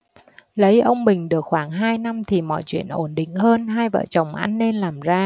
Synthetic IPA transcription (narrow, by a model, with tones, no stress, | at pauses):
lə˨˦jʔə˧wŋ͡mɓï˨˩ŋ̟ɗɨ˨˩ək̚xwaː˧˩ŋɦaː˧jna˧mt̪ʰi˨˩mɔ̰˧˨jt͡ɕwḭ˧˨ənʔo˧˩nɗḭ˧˨ŋ̟ɦəː˧nɦaː˧jvə̰ː˧˨t͡ɕə˨˩wŋ͡mʔa˧jŋ̟ːe˧nlaː˨˩mzaː˧